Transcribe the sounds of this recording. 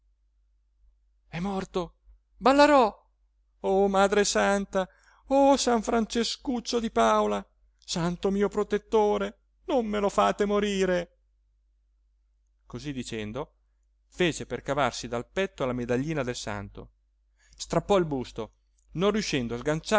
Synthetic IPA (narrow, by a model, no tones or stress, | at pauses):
ɛmːɔrt̪o | balːeɾɔ | omaːd̪ɾesant̪a | osaɱfɾant͡ʃeskut͡ʃːod̪ipaola | sant̪omiːopɾot̪et̪ːoːɾe | nomːelofaːt̪emoɾiːɾe | kozid̪it͡ʃɛnd̪o | feːt͡ʃeperkavarsid̪alpɛt̪ːoalamed̪aʎːiːnad̪elsa̰nt̪o̰ | st̪ɾapːɔilbust̪o | nonrːjuʃːɛnd̪oazɡant͡ʃa